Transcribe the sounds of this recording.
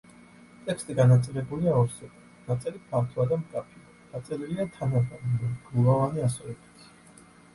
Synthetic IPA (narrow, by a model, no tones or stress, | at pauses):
t̪ʼɛkʰst̪ʼiɡanat̪sʼɛlɛbuliaɔɾsɛba | nat̪sʼɛlipʰaɾt̪ʰɔad̪amkʼapʰiad̪̥at̪sʼɛliliat̪ʰanabannaɡuvˠavaniasɔɛbʰi̥t̪ʰ